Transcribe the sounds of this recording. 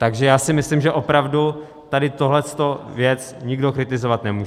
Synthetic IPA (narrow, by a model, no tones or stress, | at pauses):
t̪aɡʒɛjaːsɪmɪslimʒɛʔopɾavdu | t̪adɪt̪o̞ɦlɛst̪o̞vjɛt͡sɲɪɡdo̞kɾɪt̪ɪzo̞vat̪nɛmuːʒɛ